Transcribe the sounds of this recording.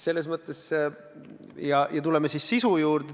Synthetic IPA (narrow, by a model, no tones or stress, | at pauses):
se̞lːe̞s̬mɤt̪ːˑe̞s | jɑjɑt̪ule̞mesissisujuːrd̪̥e